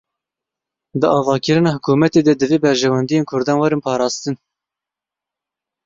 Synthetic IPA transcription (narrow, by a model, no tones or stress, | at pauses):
d̪ɨɑːvɑːkəɾɨnɑːhʊkʰuːmɛt̪eːd̪ɛd̪ɨveːbɛɾʒɛwɛnd̪ijeːnkʰʊɾd̪ɑːnwɛɾɨnpʰɑːɾɑːst̪ɨn